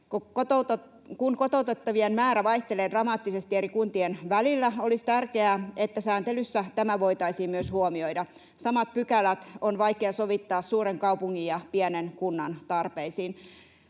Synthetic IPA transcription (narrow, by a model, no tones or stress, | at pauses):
kokot̪ot̪ | kunkot̪out̪et̪ːɑʋienmæːɾæʋɑjht̪eleːdrɑmɑːt̪ːisest̪ieɾikunt̪ienʋælilːæo̞list̪ærkeæet̪ːæsæːnt̪elysːæt̪æmæʋo̞it̪ɑisiːmmyøshuomioidɑ | sɑmɑt̪̚pykælæt̪onʋɑjkeɑsoʋit̪ːɑːssuːreŋkɑupuŋːijjɑpiænenkunːɑnt̪ɑrpeisiːn